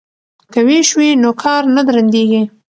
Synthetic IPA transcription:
kəweʃwinokʰɑɾnad̪ɾand̪eɡi

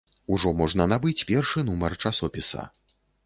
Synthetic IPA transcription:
uʐɔmɔʐnɐnabɨt͡sʲpʲɛrʂɨnumɐrt͡ʂasɔpʲisɐ̰

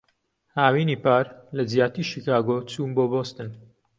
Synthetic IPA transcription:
haːwiːniːpaːɾlɐzijaːt̪iːʃikaːɡot͡suːmboːboːst̪ɨn

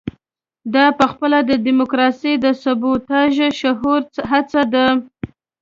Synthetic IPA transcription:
d̪ɑpəxpəlad̪əd̪imokɾɑsijd̪əsʊbut̪ɑʒʃaɦuɾt͡səɦat͡sad̪a

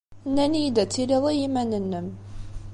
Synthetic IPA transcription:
nːænijd̪æt͡sːiliðˤijimænənːəm

